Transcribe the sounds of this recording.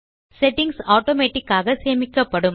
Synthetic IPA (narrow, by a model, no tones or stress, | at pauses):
sɛʈːɪŋɡsaːʈoːmeːʈːɪkːaːɣɐseːmɪkːɐpːɐɽɯm